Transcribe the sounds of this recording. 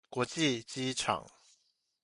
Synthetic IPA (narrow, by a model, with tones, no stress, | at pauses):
kwɔ˧˦t͡ɕi˥˨t͡ɕi˦ʈ͡ʂʰɑ̰˨˩˦ŋ